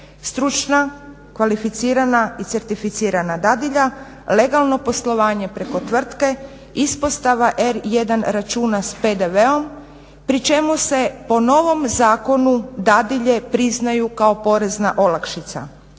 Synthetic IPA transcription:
st̪ɾut͡ʃna | kʋalifit̪siːɾanait̪se̞ɾt̪ifit̪siːɾanad̪ad̪iʎa | le̞ɡalˠno̞po̞slˠo̞ʋaːɲe̞pɾe̞ko̞t̪ʋr̩t̪ke̞ | ispo̞st̪aʋaʔeɾje̞d̪anɾat͡ʃuːnaspe̞d̪e̞ʋe̞o̞m | pɾit͡ʃe̞muse̞po̞no̞ʋo̞mzaːko̞nud̪ad̪iʎe̞pɾiznajukao̞po̞ɾe̞znaʔo̞lakʃit̪sa̰

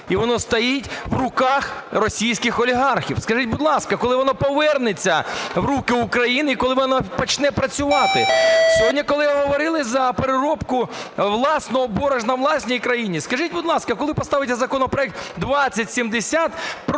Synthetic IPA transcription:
iʋɔnɔst̪ɐjitʲʋrʊkɑxrɔsʲijsʲkɪxɔlʲiɦɑrxʲḭwskɐʒit̚ʲbʊd̪lˠɑskɐkɔlˠɪʋɔnɔpɔʋɛrnet͡sʲːɐwɾukɪʊkɾɐjinɪikɔlˠɪʋɔnɔpɔt͡ʃnɛpɾɐt͡sʲʊʋɑt̪ɪsʲɔɦɔdʲnʲikɔlˠɪʋaɦɔʋɔɾɪlˠɪzɐpeɾɪɾɔpkʊʋlˠɑsnɔɦɔbɔɾɐʒnɐʋlˠɑsʲnʲijkɾɐjinʲiskɐʒitʲbʊd̪lˠɑskɐkɔlˠɪpɔst̪ɑʋɪt̪ʲːɛzɐkɔnɔpɾɔɛk̚t̪d̪ʋɑt͡sʲːɐtʲsʲimd̪esʲat̪p

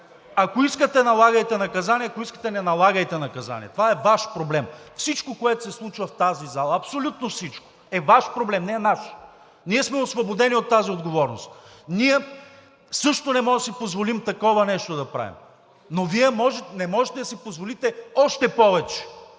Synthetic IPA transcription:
ɐkoiskət̪ɛnɐlˠaɡɐjt̪ɛnɐkɐzaniɛɐkoiskə̥t̪ɛnɛnɐlˠaɡɐjt̪ɛnɐkɐza̰nʲḭɛt̪ovaɛvaʃpɾoblɛmfsit͡ʃkokoɛt̪o̥sɛslˠut͡ʃvɐft̪azizalˠɐɐpsolʲut̪nofsit͡ʃko̥ | ɛvaʃpɾoblɛmnɛɛnaʃ | niɛsmɛosvobod̪ɛniot̪ːaziod̪ɡovɔɾnost̪ | niɛ | sɤʃt̪onɛmɔʒd̪sipozvolimt̪ɐkɔvɐnɛʃt̪od̪ɐpɾa̰vḭm | noviɛmɔʒɛnɛmɔʒɛt̪ɛd̪ɐsipozvolit̪ɛɔʃt̪ɛpɔvɛt͡ʃɛ̥

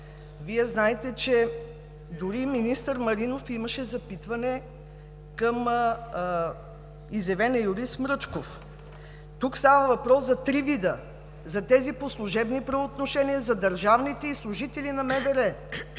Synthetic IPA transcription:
viɛznaɛt̪ɛt͡ʃɛ | d̪ʊɾiminist̪əɾmɐɾinofimɐʃɛzɐpit̪vɐnɛ | kəm | izɛvɛnɛjʊɾismɾɤt͡ʃkof | t̪ukst̪avəvɐpɾɔszɐt̪ɾivid̪ə | zɐt̪ɛziposlˠuʒɛbnipɾɐvoːt̪noʃɛniəzɐd̪ɐɾʒavnit̪ɛislˠʊʒit̪ɛlinɐmɛvɛɾɛ

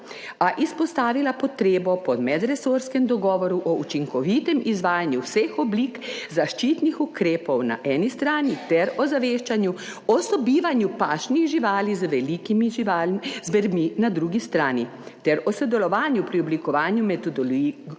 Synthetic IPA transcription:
aʔispɔst̪aːʋilapɔt̪ɾeːbɔpɔmɛd̪ɾɛsoːɾskɛmd̪ɔɡɔːʋɔɾuʔɔut͡ʃiŋkɔʋiːt̪ɛmizʋaːjanjuwsexɔbliːkzaʃt͡ʃiːt̪nixukɾeːpɔwna̰ʔɛːnist̪ɾaːnit̪ɛɾɔzaʋeːʃt͡ʃanju | ɔsɔbiːʋanjupaːʃniɣʒiʋaːlizʋɛlikimiʒiazbɛɾminad̪ɾuɡist̪ɾaːni | t̪ɛɾɔsɔd̪ɛlɔʋaːnjupɾiɔblikɔʋaːnjumɛt̪ɔd̪ɔli

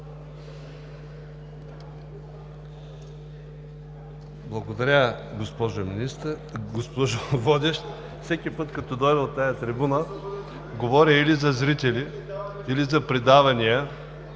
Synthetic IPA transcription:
blˠɐɡod̪ɐɾʲəɡospɔʒominist̪əɡospɔʒovɔd̪ʲɛʃt̪ | fsɛkʲipɤt̪kɐt̪ɔd̪ɔjd̪əlˠt̪ajɐt̪ɾibunə | ɡovɔɾʲɐilizɐzɾit̪ʲɛli | ilizɐpɾid̪avɐnʲijə

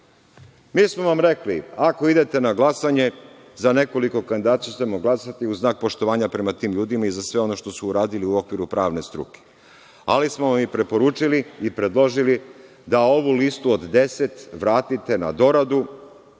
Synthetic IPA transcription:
miːsmo̞ʋamɾe̞kliako̞id̪e̞t̪e̞naɡlˠasaɲe̞ | zane̞ko̞liko̞kand̪id̪aːt̪t͡ʃat̪emoɡlˠasat̪iuznaːk̚po̞ʃt̪o̞ʋaːɲapɾe̞mat̪iːmʎuːd̪imaizasʋe̞o̞no̞ʃt̪o̞suːɾaːd̪iliuokʋiɾupɾaːʋne̞st̪ɾṵke̥ | a̰lismoʋamipɾe̞po̞ɾuːt͡ʃiliipɾe̞d̪lo̞ʒili | d̪ao̞ʋulist̪uod̪d̪e̞se̞t̪ʋɾaːt̪it̪e̞na̰d̪o̞ɾad̪u

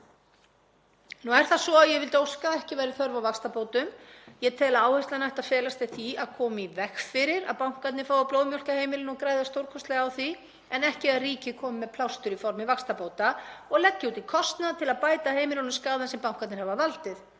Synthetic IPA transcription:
nuɛɾ̥θasɔaðjɛvɪlt̪owskaɛhcɪvajɾɪɾθœɾvawvakst̪apoːwt̪ʏmjɛt̪ʰɛlaaːwhajst̪lanajht̪aðfɛːlast̪ɪθiaðkʰɔːmivɛxfɪɾɪɾa̰ðpawŋ̥kat̪nɪfaːwvaploːwmjœl̥kaheːjmɪlɪnɔɣkɾaːjðast̪owɾkʰɔst̪lɛɣawθi | ɛnɛhcɪaðriːcɪkʰɔːmʏmːɛðpʰlawst̪ʏɾifɔɾmɪvakst̪apowt̪aɔɣlɛcːɪut̪ikʰɔst̪naðt̪ʰɪlaðpaːjt̪aheːjmɪlawnʏmskaːðansɛmpawŋkat̪nɪɾhɛvavalt̪ɪθ

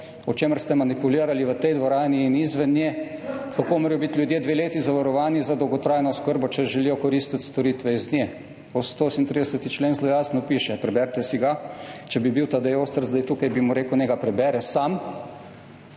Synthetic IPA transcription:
ɔt͡ʃeːməɾst̪ɛmanipuliːɾaliʋət̪ɛjd̪ʋɔɾaːniːnizʋɛnjɛkakoːmɔːɾijɔbit̪lʲjud̪jeːd̪ʋeːleːt̪izaʋaɾɔʋaːnizad̪ɔwɡɔt̪ɾaːjnɔskəɾbɔt͡ʃɛʒɛliːjɔkɔɾist̪it̪st̪ɔɾit̪ʋɛiznʲjɛ | ɔst̪osint̪ɾiːd̪ɛsɛt̪it͡ʃleːnzlojaːsnɔpiːʃɛpɾɛbɛɾt̪ɛsiɡat͡ʃɛbibiwt̪ad̪ɛjoːst̪əɾzd̪ajt̪uːkajbimuɾeːkwneːɡapɾɛbɛɾɛsam

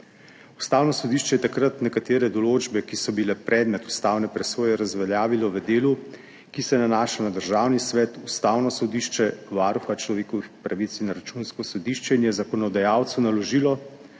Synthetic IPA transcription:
ust̪aːwnɔsɔd̪iʃt͡ʃɛjɛt̪akɾat̪nɛkat̪eːɾɛd̪ɔloːd͡ʒbɛkisɔbilɛpɾʔɛːd̪mɛt̪u̥st̪aːwnɛpɾɛsoːjɛɾazʋɛljaːʋilɔʋəd̪eːlu | kisɛnanaːʃanad̪əɾʒaːwnisʋɛːt̪ust̪aːwnɔsɔd̪iːʃt͡ʃɛʋaɾuxat͡ʃlɔʋeːkɔʋixpɾaʋit̪sinɾat͡ʃunskɔsɔd̪iːʃt͡ʃɛinjɛzakɔnɔd̪ajaːwt̪sunalɔʒilɔ

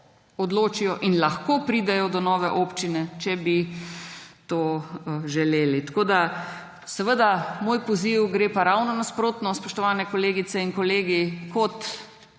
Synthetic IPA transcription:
ɔd̪loːt͡ʃijɔʔinlaxkopɾiːd̪ɛjɔd̪ɔnɔːʋɛʔoːpt͡ʃinɛt͡ʃɛbi | t̪oːʒɛleːlit̪ḁkoːd̪a | sɛʋəd̪amoːjpɔziwɡɾeːpaɾawnɔnaspɾoːt̪nɔspɔʃt̪ɔʋaːnɛkɔleːɡit̪sɛinkɔleːɡikɔt̪

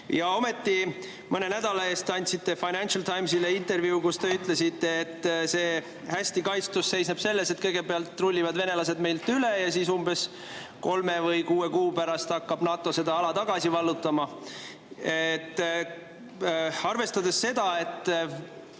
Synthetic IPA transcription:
jɑo̞me̞t̪ːi | mɤne̞næd̪̥ɑlɑe̞ːst̪ɑnʲt̪ʲsit̪ːe̞fɑjnænʲtʃɑlt̪ʰɑjmsileint̪e̞rviukust̪e̞yt̪ˑle̞sit̪ːˑe̞ːt̪ːˑse̞ː | hæsʲt̪ikɑjt̪st̪usse̞jsneb̥se̞lːe̞se̞t̪kɤjɡ̥e̞beɑlt̪ːrulʲːivɑd̪ve̞ne̞lɑse̞d̪me̞jlt̪ylejɑsiːsumbe̞s | ko̞lme̞vɤjkuːe̞kuːpæɾɑst̪ɑkːɑb̥nɑːt̪ːˑo̞se̞d̪ɑɑlɑt̪ɑɡ̥ɑsivɑlːut̪ːˑɑmɑ | et̪ː | ɑrve̞st̪ɑd̪e̞sːe̞d̪̥ɑe̞t̪ːˑ

